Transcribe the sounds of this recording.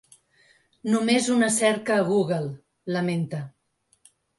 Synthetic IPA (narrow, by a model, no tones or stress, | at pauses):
numezunəsɛɾkəːɣ̞uɣəlˠː | əment̪ə